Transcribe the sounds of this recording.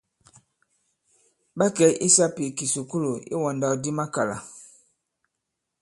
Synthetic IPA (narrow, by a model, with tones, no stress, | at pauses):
ba˦kɛ˦ʔi˦sa˦pi˨ki˨su˨ku˦lo˨ḭ˦wɔ̃˨nda˨di˦ma˦ka˨la̰˨